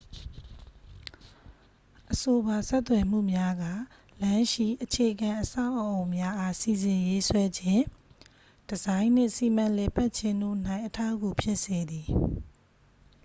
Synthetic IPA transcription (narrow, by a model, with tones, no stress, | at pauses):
ʔəso˨ba˨sɛ˦t̪ːwɛ˨m̥ṵ˦˨mja˦ɡa˦˨ | lã˦ʃḭ˦˨ʔət͡ɕʰe˨əɡã˨ʔəsa˦ʊʔəʔo˨ʊ̃mja˦ʔa˦si˨zɪ̃˨je˦swɛ˦d͡ʑɪ̃˦˨ | d̥əzã˦ɪ̃n̥ɪ̰̃˦˨si˨m̥ã˨lɛ˨pa˦t̚t͡ɕʰɪ̃˦nd̪o̰˦˨n̥ã˦˨ɪ̃ʔətʰa˦˨ɡu˨pʰjɪ˦ʔse˨d̪i˨